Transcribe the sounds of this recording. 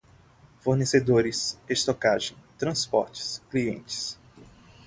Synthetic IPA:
foɾnesed̪oɾɪsest̪okaʒẽj̃t̪ɾɐ̃spɔ̰ɾt͡ʃɪ̥skliḛ̃nt͡ʃɪ̥s

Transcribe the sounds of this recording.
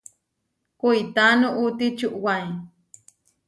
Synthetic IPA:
kujt̪anuʔut̪it͡ʃuʔwaj

